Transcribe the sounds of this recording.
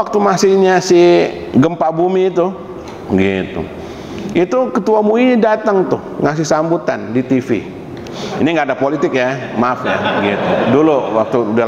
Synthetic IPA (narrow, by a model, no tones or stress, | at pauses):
ak̚t̪umasɪhɲasi | ɡəmpabumit̪u | əɡit̪ṵ | it̪ukət̪uamuinidat̪aŋt̪ʊhŋas̬ɪhsambut̪andit̪ifḭ | iniŋɡaːdapolit̪ɪk̚jamafja̰bəɡit̪uduluwak̚t̪uda